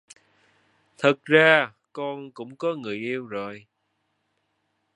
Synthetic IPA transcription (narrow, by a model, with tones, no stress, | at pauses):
t̪ʰə˨˩k̚zaː˧ | kɔ˧nkʊ̰˧˥ŋ͡mkɔ˨˦ŋɨ˨˩əjʔi˧əwzo˨˩j